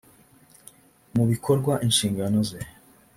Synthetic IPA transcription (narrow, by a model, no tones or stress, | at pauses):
muβikʰo̞ɾɡwaʔinʃiːŋɡano̞ze